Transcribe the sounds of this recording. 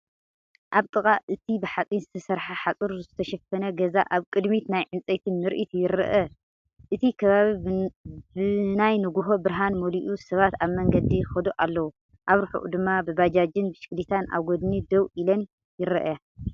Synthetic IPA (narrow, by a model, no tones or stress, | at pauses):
ʔaβt̪ʼɨkʼaʔɨt̪ʰibɨħat͡sʼinzɨt̪ʰɐsɐɾħaħat͡sʼuɾzɨt̪ʰɐʃɐfɐnɐɡɐzaʔaβkʼɨd̪mit̪najʕɨnt͡sʼɐjt̪ʰɨnmɨɾʔit̪ʰujɪɾɐ̰ʔɐ | ʔɨt̪ʰikʰɐβaβi | bɨnajnɨɡuɦobɨɾɦanmoliʔusɐβat̪aβmɐŋɡɐd̪ixɐd̪oʔalːɐwu | ʔaβɾuħṵʔṵd̪ɨmːabɨβad͡ʒad͡ʒɨnbɨʃɨ̥kʼlit̪ʰanʔa̰βɡod̪nid̪ɐwʔilɐn | jɪɾɐ̰ʔa